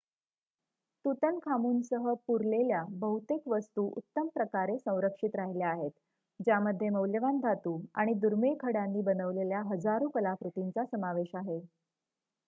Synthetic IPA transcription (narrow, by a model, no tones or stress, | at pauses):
t̪ut̪ənkʰamuːnsəɦəpuɾleljabəɦut̪ekʋəst̪uːʔṵt̪ːəmpɾəkaɾesə̃w̃ɾəkʂit̪ɾaɦilaaɦet̪ | d͡ʑjaməd̪ʱːjeməwljəʋand̪ʱat̪uːa̰ɽ̃id̪uɾmekʰəɽanːiːbənəʋleljaɦəd͡zaɾukəlafɾut̪int͡sasəmaʋeɕaɦe